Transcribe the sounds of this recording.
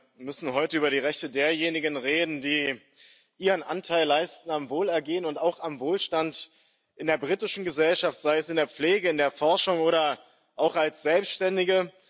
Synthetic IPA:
mʏsn̩ɦɔʏtəʔyːbɐɾiːʁɛçtədeːɐjeːnɪɡənʁeːdn̩diː | ʔiːʁənʔa̰ntʰaɪlːaɪstn̩amvoːlɛɐɡeːənʊntaʊxamvoːlʃtant | ʔɪndeːɐbʁiːtɪʃn̩ɡəzɛlʃaftz̥aɪɛsɪndeːɐp͡fleːɡəɪndeːɐfɔɐʃʊŋoːɾɐ | ʔaʊxalsz̥ɛlpstʃtɛndɪɡə

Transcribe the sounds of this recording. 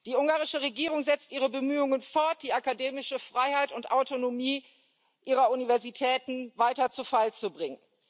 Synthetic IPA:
d̥iːʊŋɡaːʁɪʃəʁeɡiːʁʊŋzɛt͡stʔiːʁəbəmyːʊŋənfɔɐt̚d̥iːakadeːmɪʃəfʁ̥aɪhaɪtʊntʔaʊtonomiː | ʔiːʁɐunivɛɐzitʰɛːtn̩vaɪtɐt͡sufalt͡subʁɪŋən

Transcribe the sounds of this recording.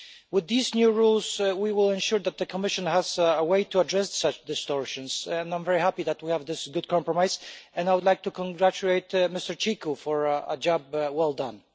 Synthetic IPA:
wɪðiznjuɹulˠzwiwɪlˠɛ̃nʃʊɹðæt̪̚ðɨkʰɔmɪʃɨ̃nhæzəweɪtuadɹɛssʌt͡ʃd̪ɨstɔɹʃɨ̃nsɛ̃nãɪ̃ɱvɛɹihæpiðætwihævðɪsɡʊd̚kʰɑ̃mpɹɔmaɪzɛ̃najwʊd̪laɪk̚tukʰɔ̃nɡɹæt͡ʃuleɪtmɪstəɹt͡ʃikufɔɹə̰d͡ʒɑb̚wɛlˠdʌ̃n

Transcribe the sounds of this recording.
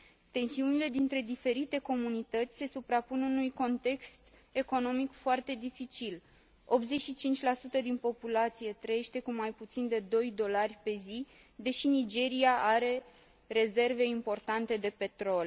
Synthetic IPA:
t̪e̞nsiunile̞d̪int̪ɾe̞d̪ife̞ɾit̪e̞ko̞munit̪ət̪sʲse̞supɾapunɨnujko̞nt̪e̞kst̪e̞ko̞no̞mikfoart̪e̞d̪ifit͡ʃil | o̞pze̞t͡ʃʃit͡ʃint͡ʃʲlasut̪əd̪inpo̞pulat̪sije̞t̪ɾəje̞ʃt̪e̞kumajput̪sind̪e̞d̪o̞jd̪o̞larʲpe̞zi | d̪e̞ʃinid͡ʒe̞ɾiaʔaɾe̞ | ɾe̞ze̞rve̞impo̞rt̪ant̪e̞d̪e̞pe̞t̪ɾo̞l

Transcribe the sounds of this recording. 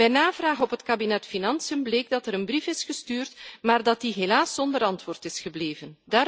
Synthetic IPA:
ɛjnaːvraːɣənɔpɦətkabinɛtfinɑnsiəmbleːɡ̚dɑtɛɾənbrifɪsxəstyːrtmaːrdɑt̚diɦelaːsːɔndəɾɑntʋoːrtɪsxəbleːvəndaː

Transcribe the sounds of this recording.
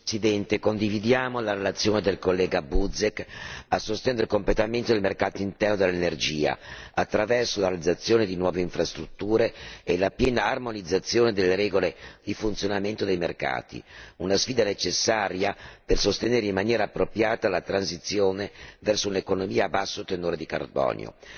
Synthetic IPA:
sid̪ɛnt̪ekond̪ivid̪jaːmolaɾelat̪sːjoːned̪elkolːɛːɡabud̪zekːasːost̪ɛnd̪ɾikomplet̪ament̪od̪elmerkaːt̪oint̪ɛrnod̪elːenerd͡ʒiːa̰at̪ːɾavɛrsolaɾealid̪zat̪sːjoːned̪inwɔːveiɱfɾast̪ɾut̪ːuːɾeelapjɛːnaːrmonid̪zːat̪sːjoːned̪elːeɾɛːɡoled̪̥ifunt̪sjonament̪od̪ejmerka̰ːt̪ḭunasfiːd̪anet͡ʃesːaːɾjapersost̪eneːɾeimːanjɛːɾaːpːɾopɾjaːt̪alat̪ɾansit̪sːjoːnevɛrsounekonomiːabasːot̪enoːɾed̪ika̰rbɔ̰ːnjo̰

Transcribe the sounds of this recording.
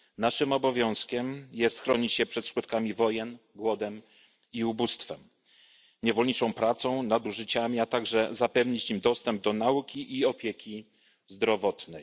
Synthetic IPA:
naʂɘmɔbɔvʲjɔ̃w̃skʲɛmjɛst̪xɾɔɲit͡ɕɕɛpʂɛt̪ʂkut̪̚kamʲivɔjɛnɡwɔd̪ɛm | iubust̪fɛm | ɲɛvɔlɲit͡ʂɔ̃w̃pɾat̪sɔ̃w̃nad̪uʐɘt͡ɕamʲiat̪aɡʐɛzapɛvɲit͡ɕimd̪ɔst̪ɛmb̚d̪ɔnaukʲiʔiɔpʲjekʲi | zd̪ɾɔvɔt̪nɛj

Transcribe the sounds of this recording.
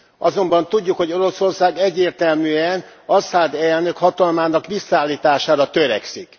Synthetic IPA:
ɒzo̞mbɒnt̪uɟːukho̞ɟo̞ɾo̞so̞rsaːɡɛɟːeːrt̪ɛlmyːɛnɒsaːd̪ɛlnøkhɒt̪ɒlmaːnɒkʋisːɒaːlːiːt̪aːʃaːɾɒt̪ø̞ɾɛ̰ksik

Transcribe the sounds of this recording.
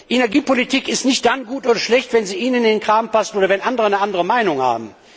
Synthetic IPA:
ʔenɛɐɡiːpolitʰiːkɪstnɪçt̚d̥anɡuːtʔoːdɐʃlɛçtv̥ɛnziːʔiːnəndenkʁ̥aːmpasn̩oːdɐvɛnʔandəʁənəandəʁəmaɪnʊŋha̰ːb̚m̩

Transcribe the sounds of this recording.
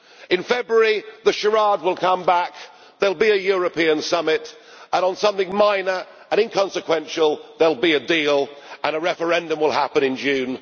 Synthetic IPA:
ɨ̃nfɛbɹəɹiðəʃəɹɑd̚wɪlˠkʰʌ̃mbak | ðəlˠbiɨjɔɹəpʰiə̃nsʌmɪt | ə̃nə̃nsʌ̃mθɪ̃ŋmãɪ̃nə˞ | ə̃ɾ̃ɨ̃nkʰɑ̃nsɨkʰw̥ɛ̃nʃəlˠðəlˠbiɨdiːlˠə̃nəɹɛfə˞ɛ̃ndə̃mwɪlˠhapə̃nɨ̃nd͡ʒʉ̃ːn

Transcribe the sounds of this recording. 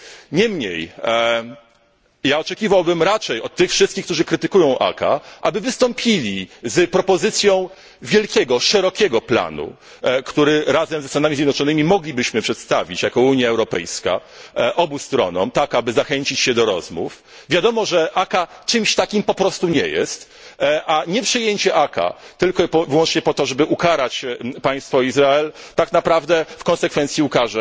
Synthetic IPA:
ɲɛmɲḛj | jaɔt͡ʂɛkʲivawbɘmɾat͡ʂɛjɔt̪ːɘxfʂɘst̪̚kʲixkt̪uʐɘkɾɘt̪ɘkujɔ̃w̃ʔa̰ka̰ʔabɘvɘst̪ɔmpʲilʲizpɾɔpɔzɘt̪sʲjɔ̃w̃ | vʲjɛlkʲɛɡɔʂɛɾɔkʲɛɡɔpla̰nṵ | kt̪uɾɘɾazɛmzɛst̪anamʲizʲjɛd̪nɔt͡ʂɔnɘmʲimɔɡlʲibɘɕmɘpʂɛt̪st̪avʲit͡ɕjakɔuɲjaɛwɾɔpɛ̰jska̰ | ʔɔbust̪ɾɔ̰nɔmt̪akabɘzaxɛɲt͡ɕit͡ɕɕɛd̪ɔɾɔzmṵf | vʲjad̪ɔmɔʐɛʔakat͡ʂɘmɕt̪akʲimpɔpɾɔst̪uɲɛ̰jɛ̰st̪ | ʔaɲɛpʂɘjeɲt͡ɕɛʔaka̰t̪ɘlkɔpɔvwɔnt͡ʂɲɛpɔt̪ɔʐɛbɘʔukaɾat͡ɕpaj̃st̪fɔizɾaɛlt̪aknapɾavd̪ɛfkɔnsɛkfɛnt̪sʲjiukaʐɛ

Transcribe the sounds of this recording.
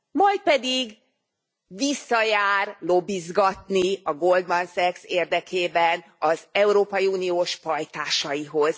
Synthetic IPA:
mɒjt̪̚pɛd̪iɡ | visːɒjaːrlo̞bizɡɒt̪niɒɡold̪mɒnsɛkseːrd̪ɛkʰeːbɛn | ɒzɛuɾoːpɒjiuːnijoːʃpɒjt̪aːʃɒjiɦo̞z̥

